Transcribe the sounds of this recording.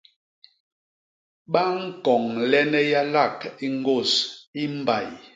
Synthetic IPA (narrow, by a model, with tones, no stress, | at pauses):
ɓa˦ŋ̩˦kɔ˨ŋlɛ˦nɛ˦ja˦la˦˨ki˦ŋ˦ɡo˦˨si˦m˦ba˨j